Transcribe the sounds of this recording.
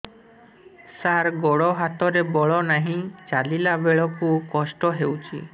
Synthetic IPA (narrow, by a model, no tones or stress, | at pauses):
saɾɡɔɽɔɦat̪ɔɾebɔɭɔnaɦĩt͡ʃalilabeɭɔkukɔsʈɔɦewt͡ʃʰi